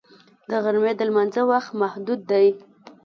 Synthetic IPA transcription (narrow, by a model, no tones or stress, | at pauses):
d̪əɣaɾmed̪əlmanzəwaxt̪mahd̪ud̪ːaj